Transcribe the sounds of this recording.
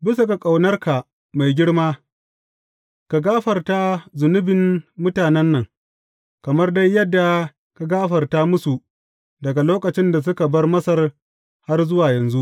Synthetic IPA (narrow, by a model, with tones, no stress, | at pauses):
bɪ˦sa˨ka˨kʼa˨wnɐ˦rka˨ | ma˨jɡʲɪ˦ɽmaː˦ | ka˨ɡaː˦ɸɐ˨rta˦zʊ˨nʊ˦bɪ˨nmʊ˦taː˨nɛ˦nːɐ˨ŋ | kɐ˨mɐ˦rda˦jːɐ˦dːa˨ | ka˨ɡaː˦ɸɐ˨rta˦mʊ˦su˨ | dɐ˨ɡa˨loː˦kɐ˨t͡ʃɪ˦nda˨s̬ʊ˦ka˨bɐ˦rmɐ˦sɐ˦r | ha˦rzʊ˦waː˨jɐ˨nzu˦ʔ